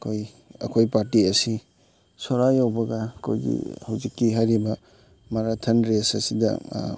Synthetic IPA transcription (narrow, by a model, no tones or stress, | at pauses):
kʰoj | ɐ̰kʰojpaɾtiɐsi | soɾajawbɐɡɐkʰo̰jɡḭhawzikːiɦajɾibɐ | maɾatʰɐnɾesɐ̰sidɐ̰